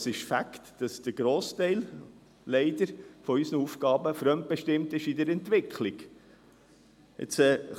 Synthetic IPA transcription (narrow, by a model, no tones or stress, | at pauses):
sɪʃfæktd̥ɑsd̪̥əɾɡ̥ɾoːstɛɪl | lɛɪdəɾfɔysnəufɡɑːbəfɾœmt̚b̥ɛʃtɪmt̪ɪʃidəɾɛnt̪ʋɪkʰlik | ɪ̰t͡sɛ